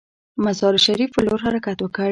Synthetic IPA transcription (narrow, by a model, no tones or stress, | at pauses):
mazɑɾʃaɾifloɾɦaɾakat̪wəkə